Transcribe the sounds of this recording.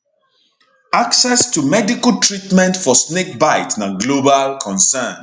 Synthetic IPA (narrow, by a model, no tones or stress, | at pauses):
aksɛstumɛdikaltʰɹitmɛ̃ntfɔsnek̚baɪtnaɡlobalkʰɔ̃nsɛ̃n